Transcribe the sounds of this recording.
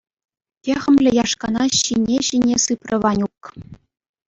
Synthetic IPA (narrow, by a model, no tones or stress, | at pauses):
tʲeʁʲɘ̆mʲlʲɘ̆jɑʂkɑnɑɕinʲeɕinʲesɯprɤ̆ʋɑnʲuk